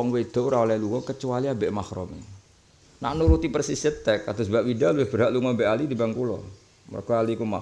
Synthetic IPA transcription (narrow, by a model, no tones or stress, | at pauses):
ɔŋwed̪̥ɔ̤uɾaɔlaluŋɔkət͡ʃualiabeʔmahɾṵmḭ | na̰ʔnuɾut̪ipərsisət̪ɛkːad̪asbaʔwidaluwehb̥əɾaʔluŋɔmbɛʔalid̪ibaŋkulɔ̰ | mə̰rkɔalikuma̰